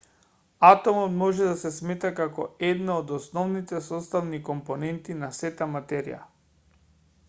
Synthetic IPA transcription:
at̪ɔmɔt̪mɔʒɛd̪asɛsmɛt̪akakɔ̰ɛd̪naod̪ɔsnɔvnit̪ɛsɔst̪avnikɔmpɔnɛnt̪inasɛt̪amat̪ɛɾḭja̰

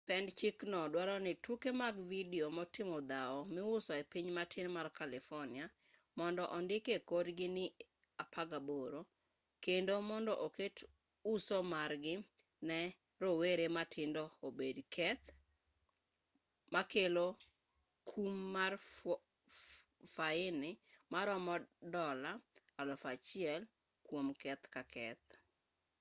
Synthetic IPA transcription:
pɛndt͡ʃiknɔdwaɾɔnɪtukemaɡvidiomɔtɪmɔd̪aɔmɪʊsɔepiɲmatʰɪnmarkalɪfɔnɪa | mɔndɔʔɔndɪkekodɡɪnɪ | apʰaɡaboɾo | kendomɔndɔʔoket | usɔmarɡɪ | nɛ | ɾoweɾematʰɪndɔobedkʰɛt̪ | makelo | kʰumːar | faɪnɪmaɾɔmɔdɔlaalɔfat͡ʃɪɛl | kwomkɛt̪kakʰɛt̪

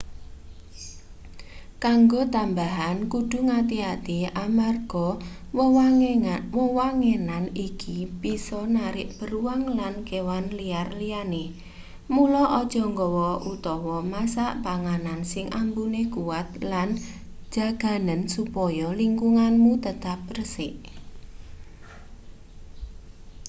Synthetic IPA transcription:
kaŋɡot̪ambaɦankud̪̥ṳŋat̪iat̪iamarɡ̥ɔwɔwawɔwaŋenanikib̥isɔnaɾɪʔb̥əɾuwaŋlankewanliarliane | mulɔʔɔd̥ʒ̥ɔ̤ŋɡɔwɔʔut̪ɔwɔmasaʔpaŋanansɪŋʔambunekuwat̪lan̥ | d͡ʒ̥a̤ɡ̥a̤nənsupɔjɔliŋkuŋanmut̪ət̪ap̚rəsɪʔ

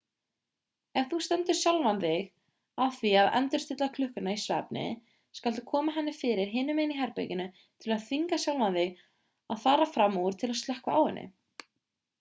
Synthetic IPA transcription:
ɛɣθust̪ɛnt̪ʏ̥sjawlvanðɪɣ | aðθviaðɛ̰nt̪ʏɾ̥st̪ɪt̪lakʰlʏhkʏnaisvɛ̰pnɪ̰ | skalt̪̬ʏ̥kʰɔːmaɦɛnːɪfɪːɾɪɾ̥ɦɪːnʏmejniɦɛɾpḛjcɪnːʏ | t̪ʰɪlaðθiŋkasjawlvanðɪɣ | aðθaːɾafɾamːɔɾ̥t̪ʰɪlaðst̪ɛhkvaaːwɪnːɪ̰

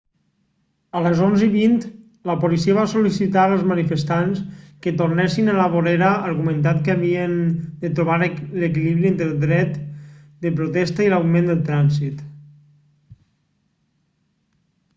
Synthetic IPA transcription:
ələzonziβint̪ | ləpolisiəβasolisit̪aɾəlˠzmənifəst̪anskət̪ornɛsinələβ̞oɾeɾəəɾɣumənt̪̬at̪kəəβiənd̪ət̪ɾuβaɾləkiliβɾient̪ɾəlˠd̪ɾɛt̪d̪əpɾut̪ɛst̪əilawmẽnd̪əlˠt̪ɾanzit̪

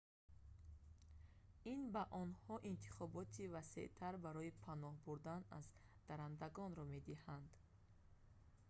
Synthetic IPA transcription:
inbaʔɔnhɔʔint̪ʰi̥χɔbɔt̪ʰivase̞̰ʔt̪ʰaɾbaɾɔipʰanɔhbuɾd̪ana̰zd̪̥aɾand̪aɡɔnɾɔme̞d̪ihand̪

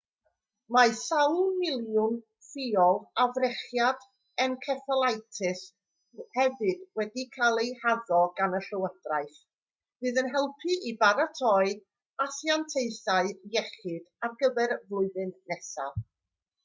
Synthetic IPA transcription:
masawlˠmɪlˠjʊn | fiɔlˠavrɛχjad | ɛnkʰɛθəlˠajtʰɪs | hɛvɨdwɛdikʰalˠejhaðɔɡanəɬəwəd̥raɨθ | vɨːðənɦɛlˠpʰiʔibaɾatʰɔɨ | asjantʰeɨθaɨjɛχɨd̥arɡəvɛrvlˠʊɨðɨnːɛsa̰lˠ

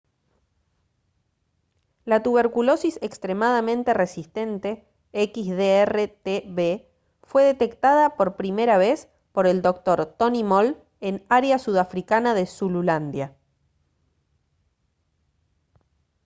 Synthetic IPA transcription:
lat̪uβe̞ɾkulo̞sisekst̪ɾe̞mað̞amẽnt̪e̞re̞sist̪e̞nt̪e̞ | ekizðeeret̪eβe | fwe̞ðe̞t̪e̞kt̪aðapo̞ɾpɾimeɾaβ̞e̞s | po̞ɾe̞ld̪o̞k̚t̪o̞ɾt̪o̞nimol | e̞naɾeasuðafɾikanaðe̞sululand̪ja

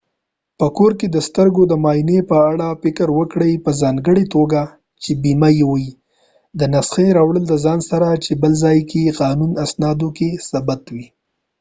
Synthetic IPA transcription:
pəkoɾked̪əst̪əɾɡod̪əmɑjnepəaɽafɪkəɾwəkɽəjpəzɑŋɡəɽet̪oɡa | t͡ʃebimajewəi | d̪ənasxeɾɑwɽəld̪əzɑnsaɾat͡ʃebəlzɑjkeqɑnunasnɑd̪okesabat̪wi

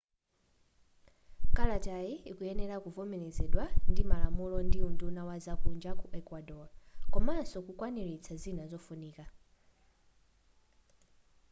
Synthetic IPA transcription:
kalatajiikujɛnɛlakuvɔmɛnɛzɛɗwandimalamulɔndiundunawazakund͡ʒakuʔɛkwadɔlakɔmasɔkukwaniɾit͡sʰazinazɔfuniːka

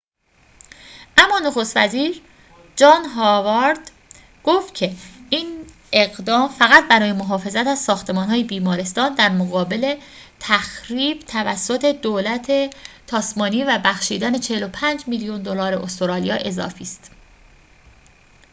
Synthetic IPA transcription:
ʔæmːɒːnoxo̞st̪væziːɾ | d͡ʒɒːnɦɒːvɑɾd̪ | ɡ̥oft̪̚cʰe̞iːn | ʔeɣd̪ɒːmfæɣæt̪̚bæɾɒːje̞moɦɒːfe̞zæt̪æzsɒːxt̪ʰe̞mɒːnɦɒːjebiːmɒːɾe̞st̪ɒːnd̪æɾmoɣɒːbe̞le̞ | t̪ʰæxɾiːb̥t̪ʰævæsːo̞t̪ʰe̞d̪oːlæt̪ʰet̪ʰɒːsmɒːniːvæbæxʃiːd̪æne̞t͡ʃʰehelo̞pʰænd͡ʒmiljund̪o̞lɒːɾeʔost̪oɾɒːlijɒ̰ːʔe̞zɒ̰ːfiːst̪

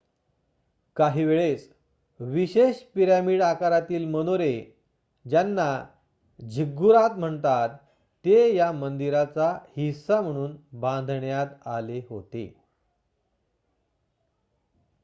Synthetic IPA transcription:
kaɦiʋeɭet͡s | ʋiɕeɕpiɾamiɽakaɾat̪iːlməñoɾe | d͡ʑjanːa | d͡ʑʱiɡuɾat̪m̤əɳt̪at̪ː | ejamənd̪iɾat͡sahisam̤əɽ̃uːnbãnd̪ʱɳjat̪aleɦot̪ḛ

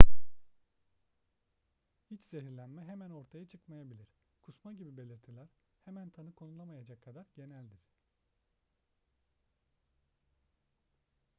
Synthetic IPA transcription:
it͡ʃz̥e̞ɦiɾlʲænmɛɦemæno̞ɾt̪ʰajat͡ʃʰɯkmajabilʲiɾ̥ | kʰusmaɟibibe̞lʲiɾt̪ʰilʲæɾhemænt̪ʰanɯkʰo̞nulˠamajad͡ʒakʰːad̪aɾɟe̞nælʲd̪iɾ̥

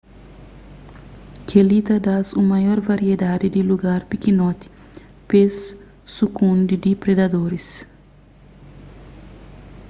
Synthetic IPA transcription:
kʰelit̪ɐd̪asumɐjɔɾvaɾied̪ad̪id̪iluɡaɾpikinɔt̪i̥ | pesː | ukũnd̪id̪ipɾed̪ɐd̪oɾis

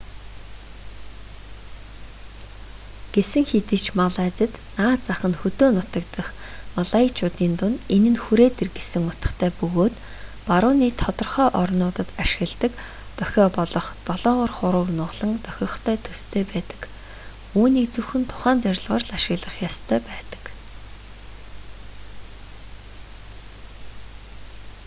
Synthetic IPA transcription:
ɡ̥esɘ̆ŋxet̪ɘ̆t͡ɕmaɮaːt͡sə̆t̪naːt͡saχə̆nxɵt̪oːnʊt̪ə̆kt̪ə̆χ | maɮait͡ɕʰʊːt̪iːnt̪ʊnenɘ̆nxuɾeːt̪erɡesɘ̆ŋʊt̪ə̆χt̪ʰæːpɵɣoːt̪ | paɾʊːniːt̪ʰɔt̪ɞ̆rχœːʔɔrnʊːt̪ə̆t̪aʃɪ̆ɣə̆ɮt̪ə̆k | t̪œxʲɔːpɔɮɞ̆χt̪ɔɮɔːʁɞrχʊɾʊːknʊːʁɮə̆ŋt̪œxʲɞ̆χt̪ʰœːt̪ʰɵst̪ʰeːpæːt̪ə̥̆k | uːniːk̚t͡sɵwxɘ̆nt̪ʰʊ̥χæːnt͡sœɾʲɪ̆ɮʁɔːrɮaʃɪ̆ɣɮə̆χjɔst̪ʰœːpæːt̪ə̥̆k

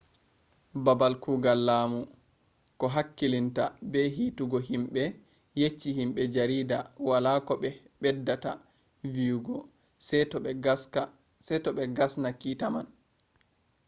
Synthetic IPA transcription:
babalkuːɡalːaːmu | kɔɦakːilinta̰bɛɦiːtuɡɔɦimɓɛ | jet͡ʃːihimɓɛd͡ʒaɾiːdawalakɔɓɛ | ɓɛdːata̰ | vijuɡɔ | sɛ | sɛtɔɓɛɡasnakiːtaman

